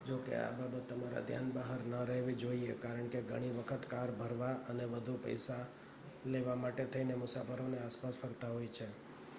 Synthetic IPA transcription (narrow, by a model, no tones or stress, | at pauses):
d͡ʒokḛa̰babət̪ːəmaɾa̰d̪ʱja̰nbəɦəɾnəɾɛɦʋed͡ʒoiekaɾəɳkeɡʱəɽ̃iʋəkʰət̪kaɾbʱəɾʋaʔəneʋəd̪ʱupə̰jsa | leʋamaʈet̪ʰəinemʊsafəɾoneaspasfʰəɾt̪aɦojt͡ʃʰe